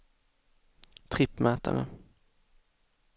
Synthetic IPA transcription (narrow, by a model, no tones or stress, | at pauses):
t̪ʰɾɪpːmɛːt̪a̰nə̰